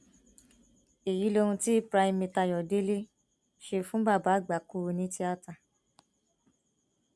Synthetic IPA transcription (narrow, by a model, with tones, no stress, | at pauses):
e˨ji˨˦lo˧ũ˧ti˦pɾa˧i˧mi˧ta˧jɔ˨de˦le˦ | ʃe˧fũ˦ba˦˨ba˨˦˨ɡ͡ba˨˦ku˦˧nĩ˦ti˦a˦ta˧˨